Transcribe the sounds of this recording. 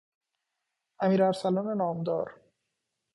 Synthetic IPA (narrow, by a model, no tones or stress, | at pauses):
ʔæmiːɾæɾsælɒːnenɒːmd̪ɒ̰ːɾ